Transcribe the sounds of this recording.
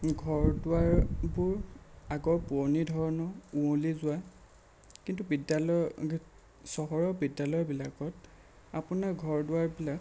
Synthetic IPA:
ɡʱɔɹdʊaɹbʊɹaɡɔɹpuɔnidʱɔɹɔnɔũolizʊwa | kintubidalɔ | sɔɦɔɹɔbidːalɔjɔbilakɔt | apunaɹɡʱɔɹdʊaɹbilak

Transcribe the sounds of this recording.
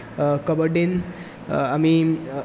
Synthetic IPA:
kəbəɖin | ami

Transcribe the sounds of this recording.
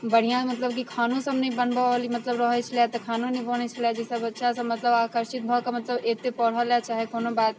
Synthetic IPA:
bɐɽ̤ijãmɐt̪ləb̚kikʰaːnõsɐmnəĩbɐnbaalimɐt̪ləbɾəɦet͡ʃʰlat̪ɐkʰaːnõnĩbəɽ̃et͡ʃʰlad͡ʒɛsabɐtːʃʰasɐmɐt̪ləbaːkəɾʃɪt̪̚bʱɔkamɐt̪ləbeːt̪epɐɽ̤aljat͡ʃaːɦekoːnobaːt̪

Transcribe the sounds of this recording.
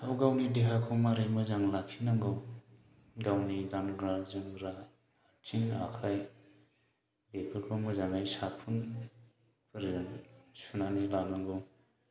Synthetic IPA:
awɡawnideɦakʰowmaɾemɯzaŋlakʰinaŋɡɯw | ɡawnidanɡɾazɯŋɾa | tʰiŋa̰kʰaj | bepʰɯɾkʰomɯzaŋajsapʰun | pʰɯɾnsunanilanaŋɡow

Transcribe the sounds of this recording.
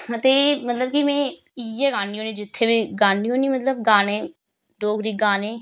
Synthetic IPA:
ət̪eːmət̪ləb̚kimɛ̃ː | iɛːɡaːniːɦoːnĩːd͡ʒɪt̪ʰːeːbiːɡaːɳiːɦõːniːmət̪ləb̚ɡaːnẽː | d̪oːkɾiːɡaːneː

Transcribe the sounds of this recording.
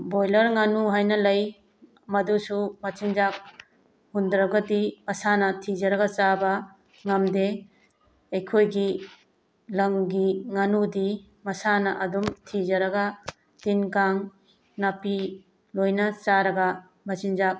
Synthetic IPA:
bojlɐɾŋanuɦajnɐlɐj | mɐdusumɐt͡ʃind͡ʒak̚ | hundɾɐɡɐtimɐsanɐtʰid͡ʒɐɾɐɡɐt͡ʃabɐ | ŋɐmde | ɐjkʰojɡi | lɐŋɡiŋanudi | mɐsanɐʔɐdumtʰid͡ʒɐɾɐɡɐ | tinkaŋ | napi | lojnɐt͡ʃaɾɐɡɐ | mɐt͡ʃind͡ʒak̚

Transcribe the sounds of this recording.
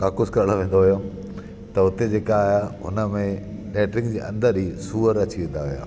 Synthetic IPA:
kaːkʊskɐɾəɽ̤̃oʋẽːn̆d̪oɦijo | t̪ɐʊt̪ed͡ʑeːkaːjaʊ̰nə̆mẽ | lɛːʈɾɪ̃ŋɡd͡ʑeːʔɐ̰̃nd̪əɾɦisuːəɾɐt͡ɕiʋẽːn̆d̪aɦija̰ː

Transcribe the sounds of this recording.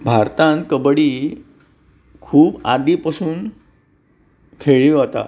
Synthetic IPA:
bʱaɾt̪ãnkəbɽiː | kʰuːbad̪ipasuːn | kʰeɭiɦat̪a̰

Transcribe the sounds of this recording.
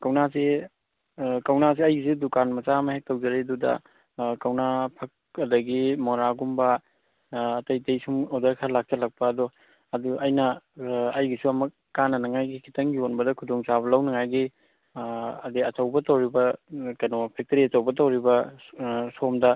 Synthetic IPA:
kɐwnasi | kɐwnas̬iɐjɡisudukanmɐt͡ʃamɐhek̚tɐwd͡ʒɐɾeɐdudɐ̰ | kɐwnapʰɐk̚ | ɐdɐɡimoɾaɡumbɐː | tɐjtejsumodɐɾkʰalak̚t͡ʃɐlɐk̚pɐːdɔ | ɐduʔɐjnɐɐjɡisuɐmɐ | kanɐnɐŋajɡikʰi̥tɐŋɡionbɐdɐkʰudoŋsaβɐlɐwnɐŋajɡi | ɐdeɐtɐwbɐtɐwɾibɐkɐjnopʰek̚tɐɾiɐtɐwbɐtɐwɾibɐ | somdɐ

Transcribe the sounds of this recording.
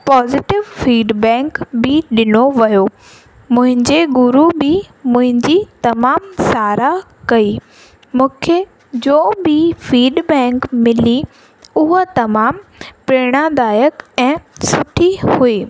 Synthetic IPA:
pɔːzɪʈɪʋfiːɖbɛ̃ːŋkbɪɗɪnoʋɐjo | mʊ̃ɦɪ̃ɲd͡ʑeɡʊɾubɪ | mʊ̃ɦɪ̃ɲd͡ʑit̪ɐmaːmsaːɾa | kɐiː | mũːkʰe | d͡ʑoːbifiːɖbɛ̃ːŋkmɪli | ʊɦət̪ɐmaːmpɾeːɽ̃ad̪aːjəkɛ̃ːsʊʈʰihuiː

